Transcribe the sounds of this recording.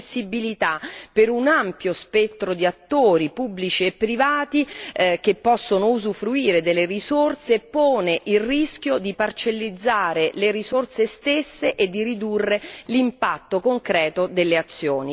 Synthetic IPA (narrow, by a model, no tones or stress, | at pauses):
sːibilit̪apeɾunampjospɛt̪ːɾod̪iat̪ːoːɾipubːlit͡ʃiepːɾivaːt̪ik̟epːɔsːonouzufɾuiːɾed̪elːeɾizort̪seːpːoːneʔilrisk̟jod̪ipart͡ʃelːid̪zːaːɾeleɾizort̪sest̪esːeʔed̪ːiɾid̪urːelimpat̪ːokoŋkɾɛːt̪od̪elːeat̪sːjoːni